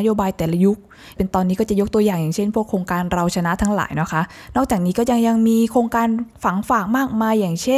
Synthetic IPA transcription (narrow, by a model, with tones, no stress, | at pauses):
a˥joː˧baː˧jt̪ɛː˨˩la˧ju˦˥k̚ | pe˧nt̪ɔː˧nːiː˦˥kɔː˥˩t͡ɕa˨˩jo˦˥k̚t̪u˧əjaː˨˩ŋjaː˨˩ŋt͡ɕʰe˥˩npʰu˥˩əkʰɾoː˧ŋkaː˧nɾa˧wt͡ɕʰa˧na˦˥ʔt̪ʰa˦˥ŋla̰ː˩˦jnɔ˦˥kʰa˦˥ʔ | nɔː˥˩k̚t͡ɕaː˨˩k̚niː˦˥kɔː˥˩ja˧ŋja˧ŋmiː˧kʰɾoː˧ŋkaː˧nfa˩˦ŋfaː˨˩k̚maː˥˩k̚maː˧jːaː˨˩ŋt͡ɕʰe˥